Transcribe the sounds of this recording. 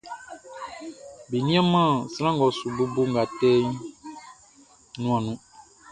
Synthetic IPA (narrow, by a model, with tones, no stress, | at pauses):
be˨nĩ˦ã˦mã˦˨sɾ̃ã˦ŋɡɔ˨su˨bo˦bo˦ŋ̩˨ɡa˨tɛ˦ | nũ˦ã˨nũ˦